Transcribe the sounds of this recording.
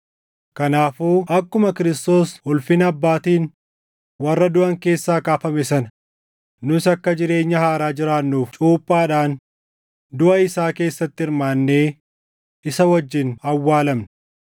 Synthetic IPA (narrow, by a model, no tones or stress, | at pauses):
kɐnaːfuːʔɐkːʊmɐkɪɾɪst̪o̞ːsʊlfɪnɐbːaːt̪iːn | wɐrːɐd̪ʊɐŋke̞ːsːaːkaːfɐmɛsɐnɐ | nʊɪsɐkːɐd͡ʒɪɾe̞ːɲːɐhaːɾaːd͡ʒɪɾaːnːuːft͡ʃʼuːpʼːaːᶑaːn | d̪ʊʔɐɪsaːke̞ːsːɐt̪ːɪɪɾmaːnːeː | ɪsɐwɐd͡ʒːɪnɐwːaːlɐmnɐ